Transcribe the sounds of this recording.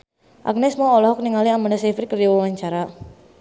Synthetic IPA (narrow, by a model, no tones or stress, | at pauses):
ʔa̰k̚nɛsmɔɔlɔɦɔk̚niŋaliamandasefɾikəriwɔwaɲt͡ʃaɾa